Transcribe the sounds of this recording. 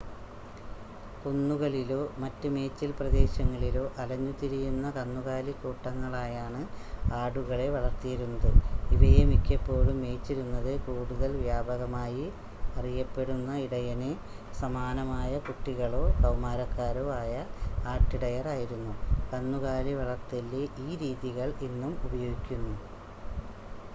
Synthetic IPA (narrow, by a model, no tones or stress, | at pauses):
kunːuɣɐɭiloːmɐtːɨme̞ːt͡ɕːilprɐd̪e̞ːɕɐŋːɐɭiloːʔɐlɐɲːut̪iɾijunːɐkɐnːuɣaːlikːuːʈːɐŋːɐɭaːjaːɳɨaːɽuɣɐɭe̞ʋɐɭɐrt̪ijiɾunːɐðɨiʋejemikʲːɐpːo̞ːɭumːe̞ːt͡ɕːiɾunːɐðɨkuːɽuðɐlʋjaːbʱɐɣɐmaːji | ɐrijɐpːe̞ɽunːɐiɽɐjɐne | sɐmaːnɐmaːjɐkuʈːiɣɐɭo̞ːsɐwmaːɾɐkːaːɾoaːjɐaːʈːiɽɐjɐraːjiɾunːukɐnːuɣaːliʋɐɭɐrt̪ilːeʔiːɾiːðiɣɐɭinːumubɐjo̞ːɡikʲːunːu